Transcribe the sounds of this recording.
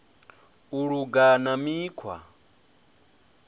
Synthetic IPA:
uɺuɡanamikʰwa̰

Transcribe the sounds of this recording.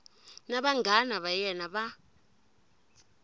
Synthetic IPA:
naɓaŋɡʱanaɓajɛnaɓa

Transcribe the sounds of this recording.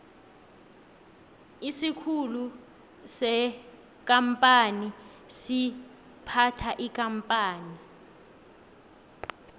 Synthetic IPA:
isikʰulu | sɛ | k̬ʼampʼani | si | pʰatʰaʔikʼampʼaːni

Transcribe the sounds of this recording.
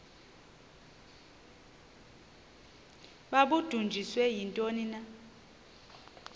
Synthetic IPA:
ɓaɓud̥ʱund͡ʒʱiswɛjintʼonina

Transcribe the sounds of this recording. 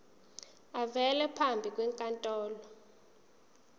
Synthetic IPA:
avɛlɛpʰambʱik̬ʼwɛŋkʼantʼɔːlɔ

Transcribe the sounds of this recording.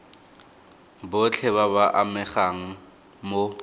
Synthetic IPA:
bʊt͡ɬʰɛβaβaʔamɛχaŋ̩ | mo

